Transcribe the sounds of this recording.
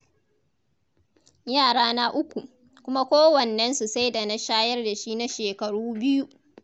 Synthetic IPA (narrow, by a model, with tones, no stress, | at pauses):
jaː˦˨ɽaː˦na˦ʔʊ˦kʷu˨ʔ | kʷʊ˦ma˦kʷoː˦wɐ˨nːɐ˦nsu˨sa˦jda˨na˦ʃaː˦jɐ˦rda˨ʃi˦na˦ʃeː˨kɐ˨ɽuː˦bɪ˦ju˦